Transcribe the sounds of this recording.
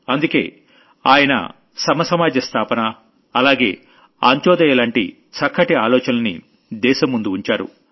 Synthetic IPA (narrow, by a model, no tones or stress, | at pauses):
ɐnd̪uke̞̰ː | a̰ːjɐnɐ̰ | sɐmɐsɐmaːd͡ʒɐst̪ʰaːpɐnɐ | ɐlaːɡe̞̰ː | ɐ̰ɲt͡ʃɔːd̪ɐjɐlaːɳʈḭ | t͡sʰɐkʰːɐʈiaːlɔːt͡ʃɐnɐnḭ | d̪ɛːʃɐmːund̪uːɲt͡ʃaːɾṵ